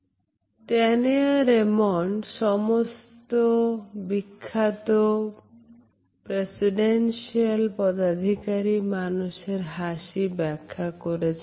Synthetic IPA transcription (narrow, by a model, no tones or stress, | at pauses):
ʈɛneaɾemonʃɔmost̪obikʰːat̪o | pɾesiɖenʃialpɔd̪ad̪ʱikaɾimanuʃeɾɦaʃibɛkʰːakoɾet͡ɕʰ